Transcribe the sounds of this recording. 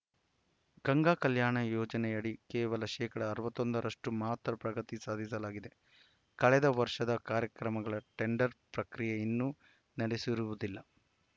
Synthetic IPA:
ɡɐŋɡaːkɐljaːɳɐjoːd͡ʒɐnɛjɐɽikɛːʋɐlɐʃɛːkɐɽɐːɾuʋɐt̪ːo̞nd̪ɐɾɐʂʈumaːt̪ɾɐpɾɐɡɐt̪isaːd̪ʱisɐlaːɡid̪e̞ | kɐɭɛd̪ɐʋɐɾʂɐd̪ɐkaːɾjɐkɾɐmɐɡɐɭɐʈe̞ɳɖɐɾpɾɐkɾijeinːu | nɐɽesiɾuʋud̪ilːɐ

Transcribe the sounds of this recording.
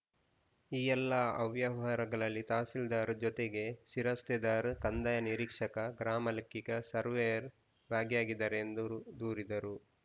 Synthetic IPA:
iːjɛlːɐɐʋjɐʋɦɐɾɐɡɐɭɐlːit̪aːsild̪aːɾd͡ʒɔt̪eɡe̞siɾɐst̪ɛd̪aːɾkɐnd̪ɐjɐniɾikʂɐkɐɡɾaːmɐlɐkːikɐsɐɾʋejɐɾ | bʱaːɡjaːɡid̪aːɾend̪ud̪uːɾid̪ɐɾu

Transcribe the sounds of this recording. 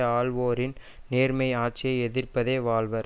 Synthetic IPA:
aːlʋoːɾɪn | neːɾmɐɪaːʈ̚t͡ʃɪjɐɪɛðɪrpɐðeːʋaːlʋɐɾ

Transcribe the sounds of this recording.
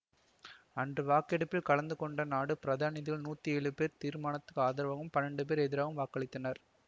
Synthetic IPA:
ɐndrɯʋaːkɛɽɯpːɪlkɐɭɐnd̪ɯkɔɳɖɐnaːɽɯpɪɾɐðaːnɐðɪlnuːt̪ːieːɭɯpeːɾt̪iːɾmaːɳɐt̪ːɯ̥kːaːðɐɾɐʋɐːɣɯmpɐnɐɳɖɯp̬eːɾɛðɪɾaːɣɯmʋaːkɐɭɪt̪ːɐnɐɾ

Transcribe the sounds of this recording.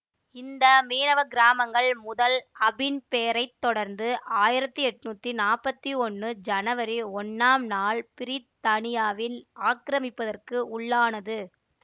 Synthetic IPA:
ɪnd̪ɐmeːnɐʋɐɡɪɾaːmɐŋɡɐɭmʊðɐlɐbɪnpeːɾɐɪt̪ːɔɽɐɾnd̪ɯʔaːjɪɾɐt̪ːɯɛʈːɯnuːt̪ːinaːrpɐt̪ːiɔnːɯd͡ʒɐnɐʋɐɾiɔnːaːmnaːɭpɪɾɪt̪ːɐɳɪjaːʋɪnaːkɪɾɐmɪpːɐðɐrkɯʊɭːaːnɐðɯ

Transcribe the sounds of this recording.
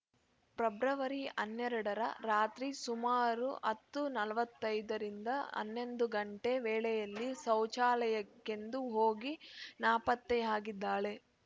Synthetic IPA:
pɾɐbɾɐʋɐɾiɐnːɛɾɐɽɐɾɐ̰ɾaːt̪ɾisumaːɾuɐt̪ːunɐlɐʋɐt̪ːɐjd̪ɐɾind̪ɐɐ̰nːe̞nd̪uɡɐɳʈe̞ʋɛːɭɛjɐlːisɐwt͡ʃaːlɐjɐkːe̞nd̪uɦoːɡinaːpɐt̪ːɛaːɡid̪ːaːɭe̞

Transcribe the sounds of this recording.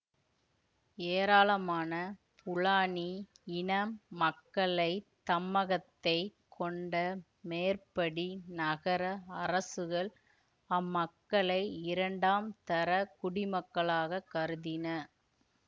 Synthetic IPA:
eːɾaːlɐmaːnɐ | pʰʊɭaːniɪnɐmːɐkːɐɭɐɪt̪ɐmːɐɣɐt̪ːɐɪkʰɔɳɖɐ | meːrpɐɽinɐɣɐɾɐɐɾɐsɯɣɐɭ | ɐmːɐkːɐɭɐɪɪɾɐɳɖaːmt̪ɐɾɐkʊɽɪmɐkːɐɭaːɣɐkːɐɾɯðɪnɐ

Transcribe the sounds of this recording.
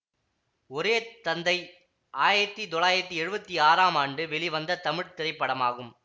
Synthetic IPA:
ɔɾeːt̪ɐnd̪ɐɪ | ʔaːjɪɾɐt̪ːit̪ɔɭaːjɪɾɐt̪ːiɛɻɯbɐt̪ːiaːɾaːmaːɳɖɯʋɛɭiʋɐnd̪ɐt̪ɐmɪɽt̪ɪɾɐɪpːɐɽɐmaːɣɯm

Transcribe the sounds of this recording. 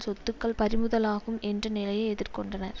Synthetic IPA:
sɔt̪ːɯkːɐɭpɐɾɪmɯðɐlaːɣɯmɛndrɐnɪlɐjɐɛðɪrkɔɳɖɐnɐɾ

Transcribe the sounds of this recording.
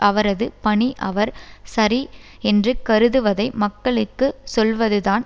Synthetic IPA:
ʔɐʋɐɾɐðɯpɐɳiʔɐʋɐɾsɐɾi | ɛndrɯkɐɾɯðɯʋɐðɐɪmɐkːɐɭɯkːɯsɔlʋɐðɯðaːn

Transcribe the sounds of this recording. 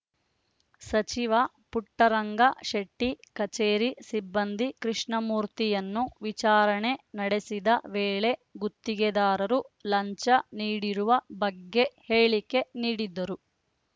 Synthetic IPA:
sɐt͡ʃiʋɐ | puʈːɐɾɐŋɡɐʃɐʈːikɐt͡ʃeːɾisibːɐnd̪ikɾiʂɳɐmuːɾt̪ijɐnːuʋit͡ʃaːɾɐɳe̞nɐɽe̞sid̪ɐʋeːɭe̞ɡut̪ːiɡɛd̪aːɾɐɾulɐɲt͡ʃɐniːɽiɾuʋɐbɐɡːe̞heːɭike̞niːɽid̪ːɐɾu

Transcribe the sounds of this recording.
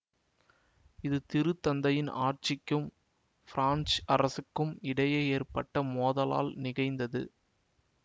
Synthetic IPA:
ɪðɯt̪ɪɾɯt̪ːɐnd̪ɐjɪna̰ːrt͡ʃɪkːɯm | fɪɾaːnsɐɾɐsɯkːɯmɪɽɐjɐɪeːrpɐʈːɐmoːðɐla̰ːlnɪɣɐɪnd̪ɐðɯ̰

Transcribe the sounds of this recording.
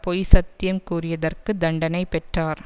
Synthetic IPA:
pɔjsɐt̪ːɪjɐmkuːrɪjɐðɐrkɯd̪ɐɳɖɐnɐɪpɛʈraːɾ

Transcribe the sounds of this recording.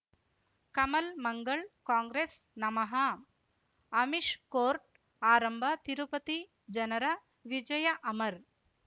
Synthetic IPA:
kɐmɐlmɐŋɡɐɭkaːŋɡɾeːsnɐmɐɦɐ | ɐmiʂkoːɾʈ̚ | aːɾɐmbʱɐt̪iɾupɐt̪i | d͡ʒɐnɐɾɐ | ʋid͡ʒɐjɐʔɐmɐɾ

